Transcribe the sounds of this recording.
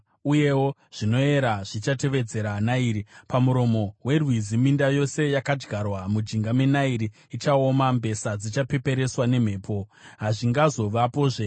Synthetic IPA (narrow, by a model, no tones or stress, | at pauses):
uje̞wo̞ʐ̥ino̞e̞ɾaʐ̥it͡ʃate̞ʋe̞d͡ze̞ɾanaiːɾipamuɾo̞mo̞we̞rwizimindajo̞se̞jakad͡ʒɡʱarwamud͡ʒiŋɡamenaiɾiːt͡ʃao̞mambe̞sad͡zit͡ʃape̞pe̞ɾe̞swane̞m̤e̞ːpʰo̞ɦaʐiŋɡazo̞ʋapo̞ːʐe